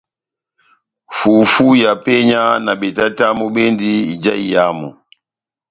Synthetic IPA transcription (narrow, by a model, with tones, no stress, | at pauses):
fu˨fu˦ja˨pɛ˦ɲa˦na˨ɓɛ˨ta˦ta˦mɔ˦ɓɛ˦ndi˦i˨d͡ʒa˦i˨ja˦mɔ̰˨